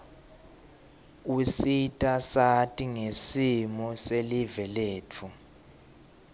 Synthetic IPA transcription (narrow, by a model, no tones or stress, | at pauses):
usitʼasatʼiŋesimɔselivɛleːtʰu